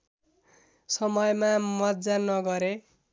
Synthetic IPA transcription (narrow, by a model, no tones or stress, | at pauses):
sʌmʌjmamʌt̪̚d͡zanʌɡʌɾe